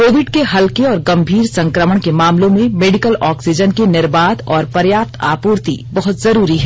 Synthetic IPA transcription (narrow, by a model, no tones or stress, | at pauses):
koːʋɪɖkeɦɐlkeɔːɾɡɐ̃mbʱiːɾsɐ̃ŋkɾəməɳkemaːmlõmẽmeːɖɪkəlɔːksid͡ʒənkenɪɾbaːd̪ɔːɾpɐɾjaːp̚t̪ʰaːpuːɾt̪ibɐɦʊt̪zɐɾuːɾiɦɛː